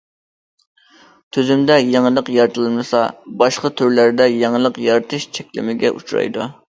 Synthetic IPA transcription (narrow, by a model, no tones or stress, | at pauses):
t̪ʰyzymd̪ɛjeŋəlˠəqjɑɾt̪ʰɨlˠmɨsɑbɑʃqɑt̪ʰyɾlæɾd̪ɛjeŋəlˠəqjɑɾt̪ʰɨʃt͡ʃʰɛkʲlɪ̰mɪɡʲɛ̰ʔut͡ʃʰuɾɑ̰jd̪u